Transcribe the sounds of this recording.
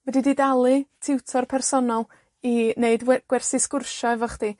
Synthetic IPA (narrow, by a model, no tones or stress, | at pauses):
vwɛdididalˠɨtʰɪwtʰɔrpʰɛrsɔnɔlˠ | ineɨdɡ̥wɛrsɨskʊrʃɔɛvɔχd̥iː